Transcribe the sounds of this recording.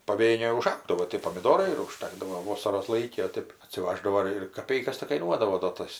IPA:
pɐˈʋʲeːnʲeːj ʊˈʒɐʊɡdɐʋoː tʲeː poːmʲɪˈdoːrɐɪ ɪr ʊˈʃtɑːɡdɐʋoː ˈʋoːsɐroːs ˈlˠɐɪkʲɪ oː ˈtʲeːp ɐtʲsʲɪˈʋɑːʒdɐʋoː ɪr ɪr kɐˈpʲɛɪkɐs tʲɪk kɐɪˈnuɔdɐʋoː doː ˈtɐs

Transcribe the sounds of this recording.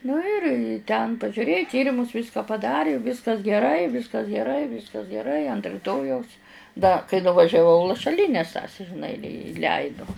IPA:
nʊ ɪr ɪ tʲɛn pɐʒʲʊˈrʲeːjʊ ˈtʲiːrʲɪmʊs ˈʋʲiːskɐ pɐˈdɑːrʲɪ ˈʋʲiːskɐs ɡʲɛˈrɐɪ ˈʋʲiːskɐs ɡʲɛˈrɐɪ ˈʋʲiːskɐs ɡʲɛˈrɐɪ ɐnt rʲɪˈtoːjɛʊs dɐ kɐɪ nʊʋɐʒʲɛˈʋɐʊ lˠɐʃɐˈlʲiːnʲɛs tɐs ʒʲɪˈnɐɪ ɪ ɪˈlʲɛɪdʊ

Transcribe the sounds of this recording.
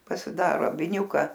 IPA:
pɐsʲɪˈdɑːroː ɐ ʋʲɪˈnʲuːkɐ

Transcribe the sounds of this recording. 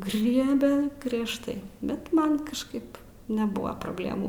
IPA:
ˈɡrʲiɛbʲɛ ɡrʲiɛʃˈtɐɪ ˈbʲɛt ˈmɐn kɐʃˈkɐɪp nʲɛˈbʊɐ proːbʲˈlʲeːmuː

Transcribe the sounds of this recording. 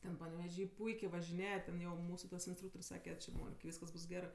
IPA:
ˈtʲɛn pɐnʲɛʋʲɛˈʒʲiː ˈpʊɪkʲeː ʋɐʒʲɪˈnʲeːjɛ tʲɛn ˈjɛʊ ˈmuːsʊ tɐs ɪnsˈtruːktoːrʲsʲ ˈsɑːkʲɛ t͡ʃʲɪ ˈmoːnʲɪk ˈʋʲiːskɐs ˈbʊs ˈɡʲæːrɜ

